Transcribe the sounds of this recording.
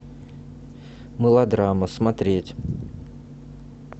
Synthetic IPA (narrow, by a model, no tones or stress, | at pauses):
mɨlˠɐd̪ɾaməsmɐt̪ɾʲetʲ